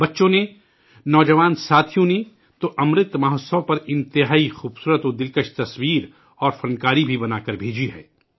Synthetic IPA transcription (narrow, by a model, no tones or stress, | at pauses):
bɐtːʃõne | nɔːd͡ʒɐʋaːnsaːt̪ʰjõne | t̪oʔɐmɾɪt̪mɐɦəssɐ̃pɐɾɪ̃nt̪ɪɦaːixuːbsuːɾət̪od̪ɪlkəʃt̪ɐswiːɾ | ɔːɾfɐ̃nkaːɾibʱibɐnaːkɐɾbʱeːd͡ʒiɦɛ̰ː